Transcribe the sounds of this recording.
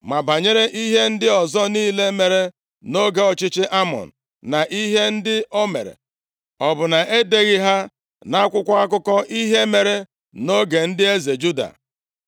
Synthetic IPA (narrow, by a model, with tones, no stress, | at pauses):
ma˨ba˨ɲe˦ɾe˦ʔi˦ɦe˦n̩˦dɪ˦ɔ˨zɔ˦niː˦le˦me˨ɾe˦ | no˦ɡe˨ɔ˨t͡ʃɪ˦t͡ʃɪ˦ʔa˦mɔ̰˨n̩˨na˨ʔi˦ɦe˦n̩˦dɪ˦ʔɔ˦mḛ˨ɾḛ˨ | ɔ˨bʊ˨na˨ʔe˦de˦ɣɪ˦ɦa˦ | na˦kʷʊ˦kʷa˦a˦k̬ʊ˦kɔ˦ʔi˦ɦe˦me˨ɾe˦ | no˦ɡe˨n̩˦dɪ˦e˦ze˨d͡ʒu˦da̰˨